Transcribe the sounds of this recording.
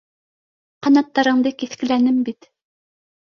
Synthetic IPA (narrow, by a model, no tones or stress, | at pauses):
qɑnɑt̪ːɑɾɤ̆ɴd̪ɤkiθkɘ̆lænɘmbit̪